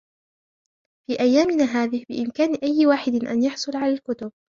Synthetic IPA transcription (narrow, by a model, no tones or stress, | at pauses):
fiːʔajːaːmɪnaːɦaːðɪhbɪ̰ʔɪmkaːnʔajːɪwaːħɪd̪ʔa̰njɑħsˤʊlʕalaːlkʊt̪ʊb̚